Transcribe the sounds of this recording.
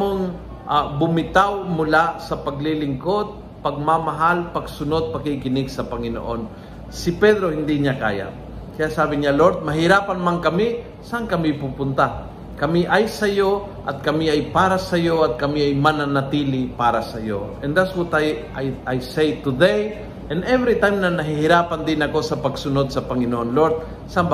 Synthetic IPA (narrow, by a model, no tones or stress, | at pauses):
moŋ | ʔabʊmɪt̪awmʊlasɐpɐɡ̚lilɪŋkod̪̚ | pɐɡ̚mamɐɦalpɐɡsʊno̞d̪̚pɐkɪkɪnɪɡsɐpɐŋɪno̰ʔon | sɪpɛd̪ɾo̞hɪnd̪iɲaka̰ːja̰ʔ | kɐjaʔsaːbɪɲaloɾt̪̚mɐɦɪɾaːpɐnmaŋkɐmɪ | saankɐmɪpupʊnt̪a | kɐmiʔajsɐjo | ʔɐ̰t̪̚kɐmiajpaːɾasɐjoat̪̚kɐmiajmananɐt̪ilɪpaːɾasɐjoɛnd̪aswɔt̪aj | ajajsejt̪ʊd̪ej | ʔɛnɛvɾit̪ajmnɐnɐɦɪhɪɾaːpand̪ɪnɐko̞sɐpɐɡsʊnod̪̚sɐpɐŋɪnoʔonloɾt̪̚ | samb